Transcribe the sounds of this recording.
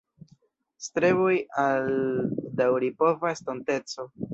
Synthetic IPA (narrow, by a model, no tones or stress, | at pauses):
stɾe̞βojaldawɾipo̞vaestonte̞t͡so̞